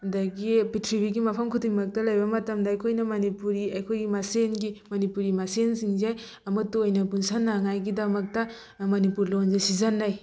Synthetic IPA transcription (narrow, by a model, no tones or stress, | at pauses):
dɐɡipitʰɾibiɡimɐpʰɐmkʰudiŋmɐk̚tɐlɐjbɐmɐtɐmdɐɐjkʰojnɐmɐnipuɾiɐjkʰojɡimasenɡimɐnipuɾimasensiŋzaj | ɐmɐtuojnɐbunsanːaŋajɡidɐmɐk̚tɐ | mɐnipuɾlonzesizɐnːaj